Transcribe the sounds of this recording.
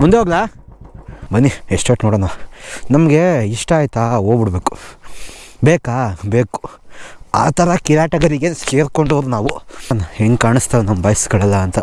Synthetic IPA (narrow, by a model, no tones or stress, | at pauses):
mund̪eɦoːɡɐlaː | bɐnːieʂʈɐːʈnoːɽɐːnɐnɐmɐɡe̞iʂʈɐːjt̪aoːbiɽbe̞ːku̥ | beːkaːbeːku̥ | a̰ːt̪ʰɐɾɐkiɾaːʈɐɡɐɾiɡeseːɾko̞ɳɖoːɾunaːʋunɐheŋkaːɳist̪ɐːlɐnɐmːbɐjsɡɐɭɐlːɐːnt̪ɐ